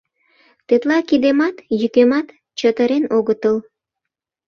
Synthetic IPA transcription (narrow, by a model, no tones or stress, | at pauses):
t̪et̪lɑkid̪emɑt̪jykemɑt̪ | t͡ɕət̪əɾenoɣət̪əl